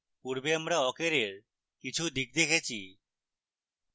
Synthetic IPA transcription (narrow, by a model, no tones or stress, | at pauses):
puɾbeamɾaɔkeɾeɾ | kit͡ɕʰud̪ik̚d̪ekʰet͡ɕʰi